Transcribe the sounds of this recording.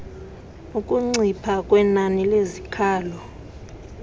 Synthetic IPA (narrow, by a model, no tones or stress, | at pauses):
ukʼuŋ͡ǀipʰakʼwɛnanilezikʰaːlɔ